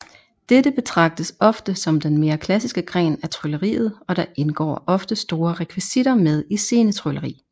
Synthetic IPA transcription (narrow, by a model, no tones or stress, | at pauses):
d̥edəb̥e̝t͡sʰʁɑ̈ɡ̥̚d̥əsɒ̽fd̥əsɒ̽md̥enme̝ːɐkʰlæsisɡ̥əɡ̥ʁɛ̰ːnæt͡sʰʁyləʁḭːð̞̩ˠɒ̽ɾ̥ɑ̈ʔe̝nɡ̥ɒ̰ːʔɒ̽fd̥əsd̥o̝ːɐʁɛkʰʋisid̥ɐmeð̞ˠise̝ːnət͡sʰʁɔləʁḭː